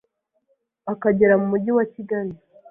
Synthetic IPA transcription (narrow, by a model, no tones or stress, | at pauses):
akaɟe̞ɾamumuɟiwaciɡaɾi